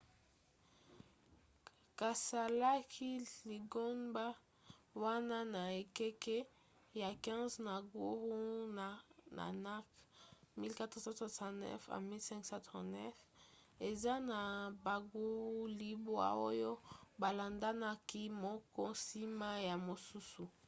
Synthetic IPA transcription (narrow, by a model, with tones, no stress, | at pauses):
ka˨sa˨la˦kʰi˦li˨ɡo˦nba˦ | wa˦na˦na˨e˨kɛ˦kɛ˦ | ja˨kɛ̃˦zna˨ɡu˦ʁu˦n˨na̰˨na˦kmi˦lka˦tsã˦swa˨sã˨nɛ̰˦fa̰˨mi˦lsɛ̃˦ŋksã˦tʁɔ̰̃˨nɛ˦fe˨za˦na˨ba˨ɡu˦ʁu˦li˨bo˦a̰˦o˦jo˦ba˨la˨nda˦na˦ki˦mɔ˦kɔ˦si˦ma˦ja˨mo˨su˦su˨